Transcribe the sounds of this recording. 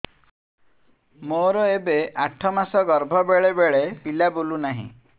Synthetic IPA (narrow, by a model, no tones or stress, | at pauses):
moɾɔebeʔaʈʰɔmasɔɡɔɾbʱɔbeɭebeɭepilabolunaɦḭ̃